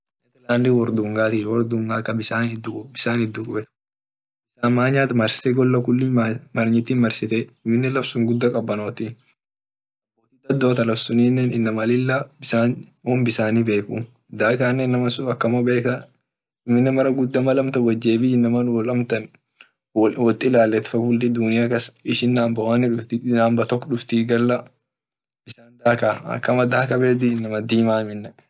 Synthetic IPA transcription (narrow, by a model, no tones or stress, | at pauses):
ɛt̪ɛlaːnd̪iwɔɾd̪uːŋɡaːt̪iːwɔɾd̪uːŋɡaːkɐbɪsaːnɪd̪ːʊkʼbɪsaːnɪd̪ːʊkʼʊbɛt̪ | bɪsaːmaːɲaːt̪ɐmɐɾsɪ̥t̪ɛɡɔlːɐkʊlːimamɐɾɲɪt̪ːiːnmɐɾsɪt̪ɛɪmːɪnːɛlɐfsʊŋɡʊd̪ːɐkʼɐbːɐnoːt̪i | moːt̪id̪ɐd̪ːoːt̪ɐlɐfsʊniːnːɛːnɪnːɐmɐlɪlːabɪsaːn | oːmbɪsaːniːbe̞ːku | d̪aːkaːnːɛnːɐmɐsʊɐkːɐmɐbeːkɐ | ɪmɪnːɛmɐɾɐɡʊd̪ːɐmɐlɐmt̪ɐwɐd͡ʒːeːbɪɪnːɐmɐnlɐmt̪ɐn | wɔt̪ʼɪlaːlːɛt̪fɐʊlːɪd̪ʊnɪjakɐsɪʃɪnːaːmbɐwanːɪᶑʊft̪inaːmbɐt̪ɔkːɔɗʊft̪iːɡɐlːɐ | bɪsaːnd̪aːkaːɐ̰kːɐmɐd̪aːkɐbeːd̪ɪnːɐmɐd̪iːmaːmɪnːɛ